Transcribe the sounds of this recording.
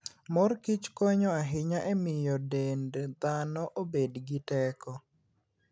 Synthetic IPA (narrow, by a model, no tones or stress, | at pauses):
mɔrkit͡ʃkɔɲɔaɦɪɲaʔemɪjɔdendd̪anɔʔobedɡɪtɛkɔ